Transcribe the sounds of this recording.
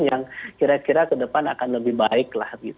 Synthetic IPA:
jaŋkiɾakiɾakədəpanakanləbɪhbaɪkla̰hɡit̪

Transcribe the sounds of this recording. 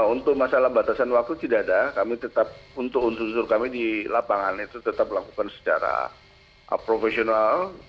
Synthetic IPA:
unt̪ʊk̚masalahbat̪asanwak̚t̪ut̪idaːdakamit̪ət̪ap̚unt̪ʊkunsunsʊrkamidilapaŋanit̪ut̪ət̪ap̚lakukansə̥t͡ʃa̰ɾa̰ | pɾofesional

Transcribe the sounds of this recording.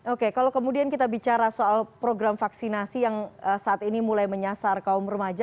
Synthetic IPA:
okekalokəmudiankit̪abit͡ʃaɾasoalpɾoɡɾamfaksinasijaŋəsaːt̪inimulajməɲasarkaʊmrəmad͡ʒa

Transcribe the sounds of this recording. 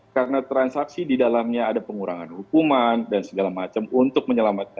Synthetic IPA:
kaɾənat̪ɾansaksididalamɲaːdapəŋuɾa̰ŋa̰nhukumandansəɡalamat͡ʃamunt̪ʊk̚məɲəlamat̪̚kann

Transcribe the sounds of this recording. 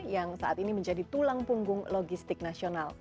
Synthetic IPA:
jaŋsaʔat̪iniməɲd͡ʒadit̪ulaŋpuŋɡʊŋloɡist̪ɪk̚nasional

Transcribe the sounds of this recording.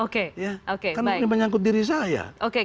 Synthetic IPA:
okejaʔokekarnbaniməɲaŋk̬ʊt̪̚diɾis̬aja̰ʔoke

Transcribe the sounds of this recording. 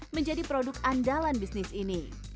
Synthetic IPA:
məɲd͡ʒadipɾodʊkandalanbisnɪsini

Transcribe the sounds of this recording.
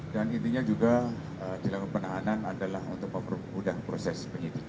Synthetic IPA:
danint̪̬iɲad͡ʒuɡa | ət͡ʃilakapənaɦananadalaɦṵnt̪ʊk̚məmərmudahpɾosɛspəɲit̪i

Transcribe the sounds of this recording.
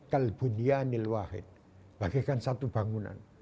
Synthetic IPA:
kalb̥unianilwahḭt̪̚ | b̥aɡekansat̪ubaŋuna̰n

